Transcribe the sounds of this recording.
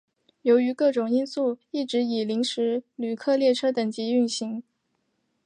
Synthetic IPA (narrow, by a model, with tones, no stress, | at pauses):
jo˧˥ʊy˧˥kɤ˥˩ʈ͡ʂʊ˨˩ŋi˥nsu˥˩i˥˩ʈ͡ʂɻ̩˧˥i˨˩li˧˥ŋʂɻ̩˧˥ly˨˩kʰɤ˥˧ljɛ˥˩ʈ͡ʂʰɤ˥t̪ə˨˩ŋt͡ɕi˧˥y˥˩ŋɕi˧˥ŋ